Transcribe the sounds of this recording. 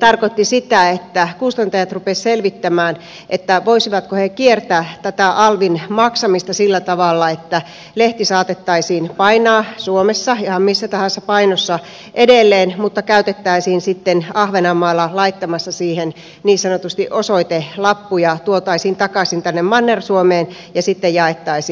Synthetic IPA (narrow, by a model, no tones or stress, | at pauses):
t̪ɑrkot̪ːisit̪æet̪ːækust̪ɑnt̪ɑjɑt̪rupesselʋit̪ːæmæːn | ʔet̪ːæʋoisiʋɑt̪kohekiert̪æːt̪æt̪æʔɑlʋinmɑksɑmist̪ɑsilːæt̪ɑʋɑlːɑet̪ːæ | leht̪isɑːt̪et̪ːɑisiːnpɑinɑːsuomesːɑihɑmmisːæt̪ɑhɑnsːɑpɑinosːɑ | ʔedelːeːnmut̪ːɑkæyt̪et̪ːæisiːnsit̪ːenɑhʋenɑmːɑːlːɑlɑit̪ːɑmɑsːɑsiːhen | niːssɑnot̪ust̪iʔosoit̪elɑpːujɑt̪uot̪ɑisiːnt̪ɑkɑsint̪ænːemmɑnːersuomeːn | jɑsit̪ːejjɑet̪ːɑisiː